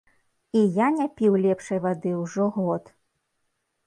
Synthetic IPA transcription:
ijanʲapʲiwlʲɛpʂɐjvad̪ɨwʐɔɣɔt̪

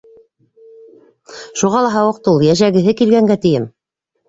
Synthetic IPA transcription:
ʃuʁɑlˠɑɦɑwɤ̆q̚t̪ulˠjæʃæɡɘ̆ɦɘkilɡæŋɡæt̪ɘ̆jɘm

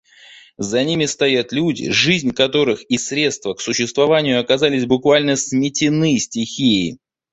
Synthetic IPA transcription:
zɐnʲimʲɪst̪ɐjat̪lʲudʲɪ̰ʐɨzʲnʲkɐt̪o̞ɾɨxisɾʲe̞t̪st̪vəksʊɕːɪst̪vɐvanʲɪjʊɐkɐzalʲɪsʲbʊkvalʲnəsmʲɪtʲɪnɨsʲtʲɪxʲijɪ

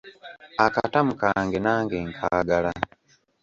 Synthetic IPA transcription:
aka̰tamukaːŋɡenaːŋɡeːŋkʰaːɡala

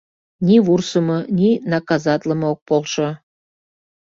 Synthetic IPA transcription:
nʲiβursəmɤnʲinɑkɑzɑt̪ʲlə̆mɤok̚polʃɤ̆

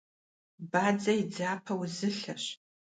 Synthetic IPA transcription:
bad͡zɐid͡zaːpʰɐwzɨɬɐɕ

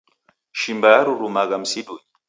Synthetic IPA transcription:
ʃimbajaɾuɾumaɣam̩siɗuj

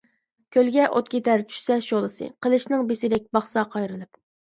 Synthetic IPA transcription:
kʲʰølɡʲɛʔot̪̚kʲet̪ɛɾt͡ʃʰy̥ʃsɛʃolˠɨsɨ̰qəlˠɨʃnɨŋbesɪd̪ɛk̚ʲbɑχsɑqʰɑjɾɨlˠɨp

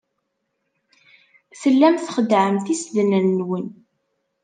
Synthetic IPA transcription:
θəlːæmθχəd̪ʕəmθisd̪nənːwən

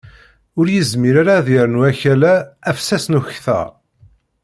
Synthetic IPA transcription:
ʊɾjəzmiɾaɾaðiɾnuæçælæːfsæsnuçθə̰ʁ

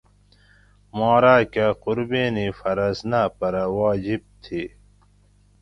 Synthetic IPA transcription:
moːɾaːkaːquɾbeːnifɐɾɐsnaːpɐɾawaːd͡ʑib̚t̪ʰiː

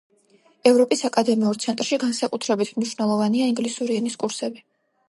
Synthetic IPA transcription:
ɛvɾɔpʼisakʼad̪ɛmiuɾt̪sʰɛnt̪ʼɾʃiɡansakʼut̪ʰɾɛbit̪ʰmniʃwnɛlˠɔvaniaiŋɡlisuɾiɛniskʼuɾsɛbi

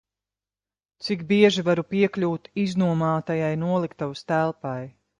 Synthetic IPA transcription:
t̪sikbiɛʒivaɾupiɛklʲuːt̪iznuɔmaːt̪ajajnuɔlˠikt̪awst̪ælˠpaj

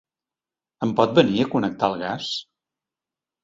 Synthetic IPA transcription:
əmpɔt̪̚bəniəkunək̚t̪alˠɣas

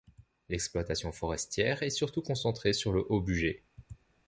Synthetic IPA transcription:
lɛksplwat̪asjɔ̃fɔʁɛst̪jɛːʁɛsyʁt̪ukɔ̃sɑ̃t̪χesyʁləʔobyʒe

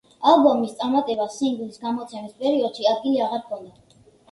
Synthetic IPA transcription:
alˠbɔmist̪sʼaɾmat̪ʼɛbasiŋɡlisɡamɔt̪sʰɛmispʼɛɾiɔd̪̥ʃiad̪̚ɡiliaʁaɾkʰɔnd̪a

